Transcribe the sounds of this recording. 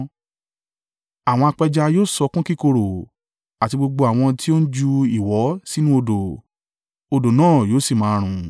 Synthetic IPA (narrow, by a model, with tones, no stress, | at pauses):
a˨w̃ɔ̃˧a˧k͡pɛ˧d͡ʒa˧joː˦˨sɔ˧kũ˦ki˦ko˧ɾo˨ | a˨ti˧ɡ͡bo˧ɡ͡bo˧a˨w̃ɔ̃˧ti˦o˦n̩˦d͡ʒu˧i˨wɔ˨˦si˦nũ˦o˧do˨ | o˧do˨nãː˦˨joː˨˦si˦˨mãː˨˦˧ɾ̃ũ˨